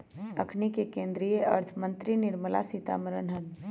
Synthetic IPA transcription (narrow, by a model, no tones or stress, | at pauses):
ɐkʰnikekẽːnd̪ɾijeɐ̰ɾt̪ʰəmə̃nt̪ɾinɪɾməla̰sit̪a̰ːməɾənɦɐ̃nd̪